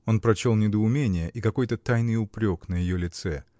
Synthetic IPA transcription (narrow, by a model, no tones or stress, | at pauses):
o̞npɾɐt͡ɕo̞lˠnʲɪd̪əʊmʲenʲɪjəʔikɐko̞jt̪ət̪ajnɨjʊpɾʲo̞knəjɪjolʲɪt̪sɛ